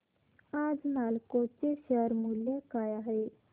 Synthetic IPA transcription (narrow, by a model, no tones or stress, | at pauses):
ad͡znalkot͡seɕəɾmuljakajaɦe